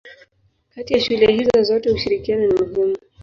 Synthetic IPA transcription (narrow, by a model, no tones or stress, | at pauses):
katijaʃulɛhizɔzɔtɛhuʃiɾikianɔnimuhɛmu